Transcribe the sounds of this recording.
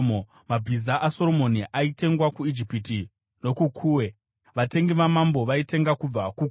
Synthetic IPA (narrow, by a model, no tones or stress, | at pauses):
o | mab͡vʱizaʔaso̞ɾomo̞niʔaite̞ŋɡwakuid͡ʒipiti | no̞kukʰuːwe̞ | ʋate̞ŋɡiʋamambo̞ʋaite̞ŋɡakub͡vakuk